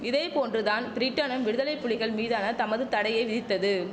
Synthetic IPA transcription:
ɪðeːpoːndrɯðaːnbɾɪʈːɐnɯmʋɪɽɯðɐlɐɪpːʊɭɪɣɐɭmiːðaːnɐt̪ɐmɐðɯt̪ɐɽɐjɐɪʋɪðɪt̪ːɐðɯ

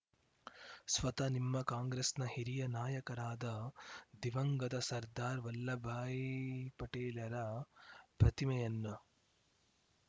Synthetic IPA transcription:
sʋɐt̪ɐnimːɐkaːŋɡɾesnɐhiɾijɐnaːjɐkɐɾaːd̪ɐd̪iʋɐŋɡɐd̪ɐsɐɾd̪aːɾʋɐlːɐbʱaːjipɐʈeːlɐɾɐ | pɾɐt̪imɐjɐnːɐ

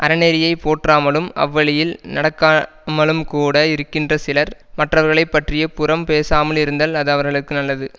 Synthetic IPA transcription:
ʔɐɾɐnɛɾɪjɐɪpoːʈraːmɐɭɯmɐ̰ʋːɐɭɪjɪlnɐɽɐkːaː | mɐɭɯmkuːɽɐɪɾɯkːɪndrɐsɪlɐɾ | mɐʈrɐʋɐɾɣɐɭɐɪpːɐʈrɪjɐpʊrɐmpeːsaːmɐlɪɾɯnd̪ɐlɐðɐʋɐɾɣɐɭɯkːɯnɐlːɐðɯ

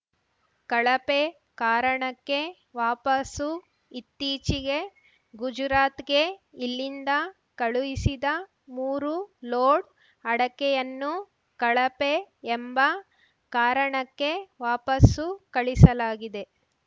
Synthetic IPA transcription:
kɐɭɐpe | kaːɾɐɳɐkːe̞ | ʋaːpɐsu | it̪ːiːt͡ʃiɡe̞ | ɡud͡ʒɾaːt̪ɡe̞ilːind̪ɐ | kɐɭujisid̪ɐ | muːɾuloːɽ | ɐɽɐkɛjɐnːu | kɐɭɐpeːmbɐ | kaːɾɐɳɐkːe̞ʋaːpɐsukɐɭisɐlaːɡid̪e̞

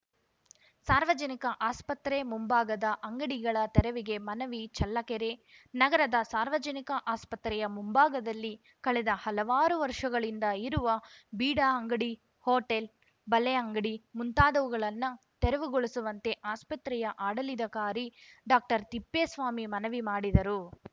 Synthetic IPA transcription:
saːɾʋɐd͡ʒɐnikɐʔaːspɐt̪ɾemumbaːɡɐd̪ɐʔɐŋɡɐɽiɡɐɭɐt̪ɛɾɐʋiɡemɐnɐʋit͡ʃɐlːɐkɛɾenɐɡɐɾɐd̪ɐsaːɾʋɐd͡ʒɐnikɐʔaːspɐt̪ɾɛjɐmumbaːɡɐd̪ɐlːi | kɐɭɛd̪ɐhɐlɐʋaːɾuʋɐɾʂɐɡɐɭind̪ɐiɾuʋɐbiːɽaːɐŋɡɐɽi | hoːʈel | bɐleɐŋɡɐɽimunt̪aːd̪ɐʋuɡɐɭɐnːɐ | t̪ɛɾɐʋuɡoɭɐsuʋɐnt̪e̞ʔaːspɐt̪ɾɛjɐʔaːɽɐlid̪ɐkaːɾiɖaːk̚ʈɐɾt̪ipːeːsʋaːmimɐnɐʋimaːɽid̪ɐɾu

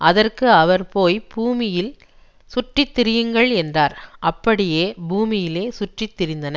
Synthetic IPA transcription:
ɐðɐrkɯɐʋɐɾpoːjbuːmɪjɪl | sʊʈrɪt̪ːɪɾɪjɯŋɡɐɭɛndraːɾʔɐpːɐɽɪjeːbuːmɪjɪleːsʊʈrɪt̪ːɪɾɪnd̪ɐnɐ

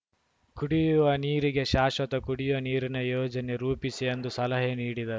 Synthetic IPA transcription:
kuɽijuuʋɐniːɾiɡe̞ʃaːʃʋɐt̪ɐkuɽijuʋɐniːɾinɐjoːd͡ʒɐne̞ɾuːpisijɐnd̪usɐlɐɦeniːɽid̪ɐɾu

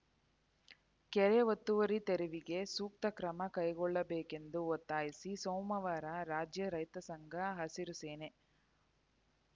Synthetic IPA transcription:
kɛɾeʋot̪ːuʋɐɾit̪eɾiʋiɡe̞suːk̚t̪ɐkɾɐmɐkɐjɡɔɭːɐbeːke̞nd̪uɔt̪ːaːjisisɐwmɐʋaːɾɐɾaːd͡ʒjɐɾɐjt̪ɐsɐŋɡʱɐɦɐsiɾuseːne

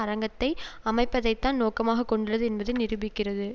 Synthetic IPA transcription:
ɐɾɐŋɡɐt̪ːɐɪɐmɐɪpːɐðɐɪt̪ːaːnnoːkɐmaːɣɐkːɔɳɖɯrɐðɯɛnbɐðɯnɪɾɯbɪkːɪrɐðɯ

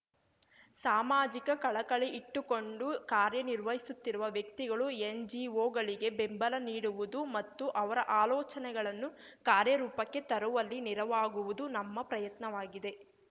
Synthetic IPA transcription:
saːmaːd͡ʒikɐkɐɭɐkɐɭeʔiʈːuko̞ɳɖukaːɾjɐniɾʋɐɦisut̪ːiɾuʋɐʋjɐk̚t̪iɡɐɭuend͡ʒiːʋoːɡɐɭiɡe̞bembɐlɐniːɽuʋud̪umɐt̪ːuʔɐʋɐɾɐʔaːlɔːt͡ʃɐnɛɡɐɭɐnːu | kaːɾjɐɾuːpɐkːe̞t̪ɐɾuʋɐlːiniɾɐʋaːɡuʋud̪unɐmːɐpɾɐjɐt̪nɐʋaːɡid̪e̞

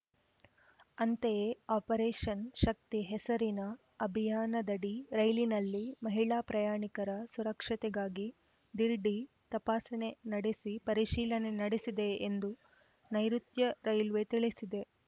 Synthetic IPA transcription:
ɐnt̪eaːpɐɾeːʂɐnʃɐk̚t̪iɦɛsɐɾinɐ | ɐbʱijaːnɐd̪ɐɖiɾɐjlinɐlːimɐɦiɭaːpɾɐjaːɳikɐɾɐsuɾɐkʂɐt̪ɛɡaːɡi | d̪iɾɖi | t̪ɐpaːsɐne̞nɐɽesipɐɾiʃiːlɐne̞nɐɽesid̪e̞ːnd̪u | nɐjɾut̪jɐɾɐjlʋet̪iɭisid̪e̞

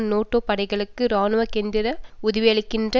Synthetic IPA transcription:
noːʈːoːpɐɽɐɪɣɐɭɯkːɯɾaːnɯʋɐkeːnd̪ɪɾɐʊðɪʋɪjɐɭɪkːɪndrɐ

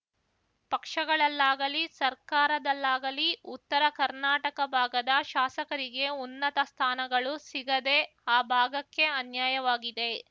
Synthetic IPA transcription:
pɐkʂɐɡɐɭɐlːaːɡɐlisɐɾkaːɾɐd̪ɐlːaːɡɐliut̪ːɐɾɐkɐɾnaːʈɐkɐbʱaːɡɐd̪ɐʃaːsɐkɐɾiɡe̞unːɐt̪ɐst̪ʰaːnɐɡɐɭusiɡɐd̪e̞ | aːbʱaːɡɐkːe̞ɐnjaːjɐʋaːɡid̪e̞

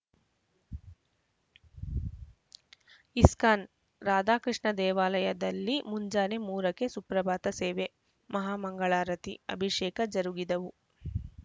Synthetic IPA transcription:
iskaːn | ɾaːd̪aːkɾiʂɳɐd̪ɛːʋaːlɐjɐd̪ɐlːimuɲd͡ʒaːnemuːɾɐke̞supɾɐbʱaːt̪ɐseːʋe | mɐɦaːmɐŋɡɐɭaːɾɐt̪ḭɐ̰bʱiʂɛːkɐd͡ʒɐɾuɡid̪ɐʋu

